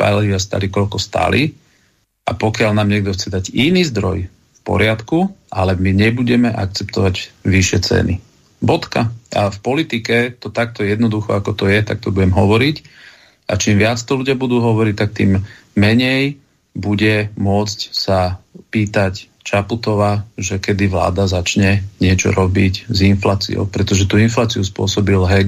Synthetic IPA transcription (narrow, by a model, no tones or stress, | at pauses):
a̰liast̪a̰likɔlkɔst̪a̰li | ʔa̰pɔkɪalnaːmɲɪɛɡ̚d̪ɔxt͡sɛd̪aɟiniːzd̪ɾɔ̰j | fpɔ̰ɾɪat̪kualɛmiɲɛbuɟɛmɛʔa̰k̚t͡sɛpt̪ɔʋaɟʋiʃɪɛt͡sɛ̰nḭ | bɔt̪kaʔafpɔlit̪ikɛt̪ɔt̪ak̚t̪ɔɛjɛd̪nɔd̪uxɔakɔt̪ɔjɛt̪ak̚t̪ɔbuɟɛmɦɔʋɔɾic | ʔa̰t͡ʃiːmʋɪat͡st̪ɔluɟɪabud̪uːɦɔʋɔɾic̚t̪ak̚t̪ḭːmː | ɛɲɛj | buɟɛmʊɔt͡scsapiːt̪ac | t͡ʃaput̪ɔʋaʒɛkɛd̪iʋla̰ːd̪azat͡ʃɲɛɲɪɛt͡ʃɔ̰ɾɔbiɟzinflaːt͡sḭɔ̰ʊpɾɛt̪ɔʒɛt̪uːinflaːt͡siuspʊɔsɔbilɦɛ